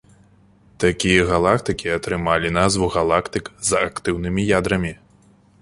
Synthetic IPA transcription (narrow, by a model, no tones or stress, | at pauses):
t̪akʲijɐɣalˠakt̪ɨkʲiɐt̪ɾɨmalʲinazvuɣalˠakt̪ɨkzakt̪ɨwnɨmʲijad̪ɾɐmʲi